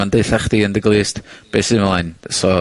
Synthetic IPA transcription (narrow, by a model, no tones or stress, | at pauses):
andeɨθaχd̥iəndɪɡlˠɨːstb̥eːsɨmlˠajnsɔ